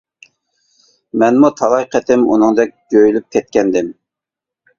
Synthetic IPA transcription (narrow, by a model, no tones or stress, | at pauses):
mɛnmut̪ʰɑlˠɑjqʰət̪ʰɪmṵnɨŋd̪ɛk̚ʲd͡ʒʲøjylyp̚kʲʰɛt̪̚kʲɛnd̪ɪm